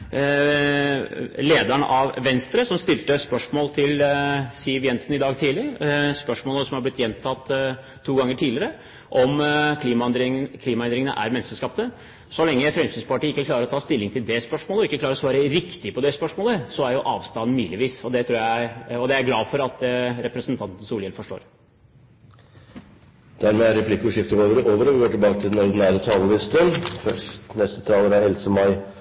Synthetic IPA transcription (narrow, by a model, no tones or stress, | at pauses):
leːd̪æɳʔɑʋʋɛnst̪ɾəsɔmst̪ɪlt̪əspœʂmoːlt̪ʰɪlsiːəʋjɛnsnɪd̪ɑːɡt̪ʰiːlɪspœʂmoːləsɔmhɑb̪ɪt̪ːjɛnt̪ʰɑt̪ʰː | uːɡɑŋːəʈʰiːlɪəɾə | ʔɔmkʰliːmɑd̪ɾkʰliːmɑɛnd̪ɾɪŋənə̰ʔæ̰ɾmɛnːst̪əʂkɑːpt̪ə | sɔlɛŋːəfɾɛmsyːnspɑʈiːɪkːəkʰlɑːɾəɾɔt̪ʰɑːst̪ɪlːɪŋt̪ʰɪld̪ɛspœʂmoːləɔɪkːəkʰlɑːɾɔsʋɑːɾəɾɪkt̪ɪəpʰɔd̪ɛspœʂmoːləsɔæɾjʊʔɑːʋst̪ɑnn̩myːlɪʋiːsɔd̪ɛt̪ʰɾuːjæɪɔd̪ɛæɾɡlɑːfɔɾɑt̪ɾɛpɾəsənt̪ʰɑnt̪ən̩suːljɛlfɔʂʈo̰ːɾ | d̪̥æɾmeːæɾɛpʰlɪkːɔʂɪft̪əoːʋəɾəʔoːʋəɾɔʋɪɡoːʈɪlbɑːkət̪ʰɪlɛnɔɾd̪ɪnæːɾət̪ʰɑːləʋ̪ɪst̪ənfœʂtnɛst̪ə̥t̪ʰɑːləɾæɛlsəmɑɪ